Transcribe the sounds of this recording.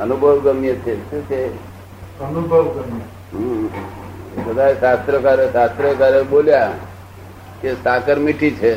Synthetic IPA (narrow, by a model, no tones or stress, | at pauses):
ənubʱəwɡəmijət͡ʃʰekuse | ənubʱəʋɡəmj | ɦũ | səd̪aisast̪ɾəkaɾesast̪ɾəkaɾəbolja | kesakəɾmiʈʰit͡ʃʰe